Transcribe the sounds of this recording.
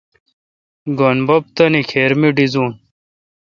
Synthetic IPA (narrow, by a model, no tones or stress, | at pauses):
ɡonbop̚t̪ɐnikʰeːɾmiɖizuːn